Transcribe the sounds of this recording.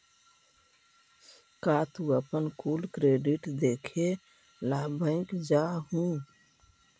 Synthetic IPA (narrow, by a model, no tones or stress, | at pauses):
kat̪uəpənkulkɾeɖiʈd̪ekʰe | labʱə̃ɪ̃kd͡ʒaɦũ